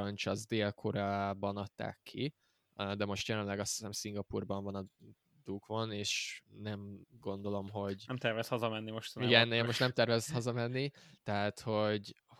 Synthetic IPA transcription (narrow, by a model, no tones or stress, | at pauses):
ɒɲt͡ʃɒzd̪eːlkʰoɾaːbɒnɒt̪ːa̰ːkʰːi | d̪ɛmo̞ʃt̪jɛlɛnlɛɡɒsi̥sɛmsiŋɡɒpuːrbɒɱvɒnɒ | d̪̥ukvoneːʃnɛmɡo̞n̪d̪o̞lo̞mɦo̞ɟɛmt̪ɛrvɛst̪hɒzɒmɛnːimoʃt̪ɒniɡɛnɛmmo̞ʃt̪nɛmt̪ɛrvɛzt̪hɒzɒmɛnːit̪ɛɦaːt̪ho̞ɟ